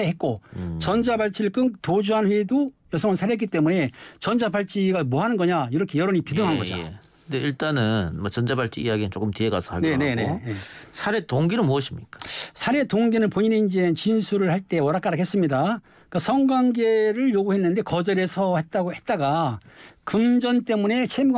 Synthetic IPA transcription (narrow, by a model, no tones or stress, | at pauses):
eɦet̚k͈ot͡ɕʌnd͡ʑabaɭt͡ɕ͈ʰiɭk͈ɯntod͡ʑuɦanɸwedojʌsʰʌŋɯnsʰaɾeetk͈it͈e̞mune̞t͡ɕʌnd͡ʑabaɭt͡ɕ͈iɡamoɦanɯnɡʌɲaiɾʌkʰe̞jʌɾoɲipidɯŋɦanɯnɡʌd͡ʑo̰ | ɯndeiɭt͈anɯnmʌt͡ɕʌnd͡ʑabaɭt͡ɕ͈iijaɡinɯnt͡ɕ͈ok͈ɯmtieɡa̰sʰʌaɡne̞ne̞nejesʰaɾe̞toŋɡinɯnmuʌɕʰimɲik͈ḁsʰaɾe̞toŋɡinɯɭpoɲineind͡ʑent͡ɕinsʰuɾɯɭhaɭt͈e̞wʌɾak͈aɾakʰes͈ɯmɲida | k͈asʰʌŋɡwaŋɡe̞ɾɯɭjoɡuɦe̞nːɯnde̞kʌd͡ʑʌɾe̞sʰʌhe̞t̚t͈aɡohe̞t̚t͈aɡa | kɯmd͡ʑʌnt͈e̞mune̞t͡ɕʰemu